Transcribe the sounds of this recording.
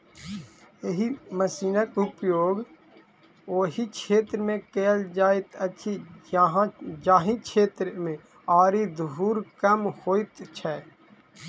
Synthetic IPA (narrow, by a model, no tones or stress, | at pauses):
eɦiməsiːnəkʊpjoːɡ | oːɦikʰeːt̪ɾmẽkeːld͡ʒaːɪt̪ət͡ʃʰiɦd͡ʒaːɦĩkʰeːt̪ɾmẽ | aːɾid̪ʱɦuːɾkəmhoːit̪t͡ʃʰɛ